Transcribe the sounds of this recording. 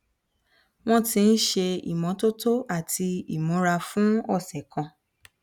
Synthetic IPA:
w̃ɔ̃˦tĩ˧n̩˦ʃe˧ḭ˨mɔ̃˨˦to˦to˦ʔa˦˨tʰi˧i˨mɔ̃˨˦ɾa˧fũ˦ɔ˦˨sɛ˨kã˧

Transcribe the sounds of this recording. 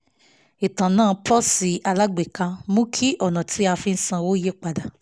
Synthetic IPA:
i˨tã˨nãː˦˨˧pʰɔ˦si˨˦a˧la˦ɡ͡be˨kã˧mũ˦kʰi˦ʔɔ˦˨nã˨tʰi˨˦a˧fi˧n̩˦sã˧wo˦je˦k͡pa˨da˨

